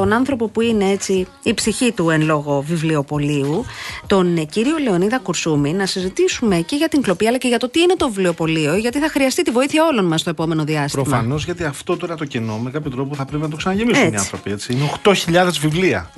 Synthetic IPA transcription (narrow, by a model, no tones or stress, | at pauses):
t̪o̞nɐnθɾo̞po̞puine̞e̞t͡siː | psiçit̪uenlo̞ɣo̞vivlio̞po̞liut̪o̞nciɾio̞le̞o̞niðɐkuɾsuminɐsizit̪isume̞ce̞ʝɐt̪iŋklo̞piɐlɐceʝɐt̪o̞t̪iine̞t̪ovivlio̞po̞lio̞ʝɐt̪iθɐxɾiɐst̪it̪ivo̞iθiçɐo̞lo̞nmɐst̪oepo̞me̞no̞ðiɐspɾomfɐ̰no̞zʝɐt̪iɐft̪ot̪oiɾɐt̪ocino̞me̞kɐpçot̪ɾo̞p̬ouθɐpɾep̬inɐt̪osɐnɐʝemiseuniɐ̰̃θɾopie̞t͡siineoxt̪o̞çiʎɐðe̞zvivliɐ̰